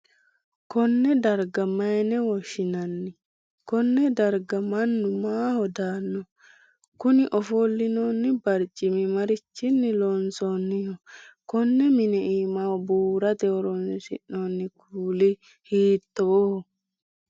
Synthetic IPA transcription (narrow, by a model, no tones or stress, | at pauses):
kɔnːɛd̪ɐɾɡɐmɐjnɛwɔʃɪnɐnːɪ | kɔnːɛd̪ɐɾɡɐmɐnːʊmaːhɔd̪aːnːɔ | kʊnɪʔɔfolːɪnonːɪbɐɾt͡ʃʼɪmɪmɐɾɪt͡ʃːɪnːɪlonsonːɪjɔkɔnːɛmɪnɛʔiːmawbuːɾɐt̪ɛɔɾɔnssɪ̰ʔːonːɪkʰuːlɪ | hiːt̪ːɔwɔ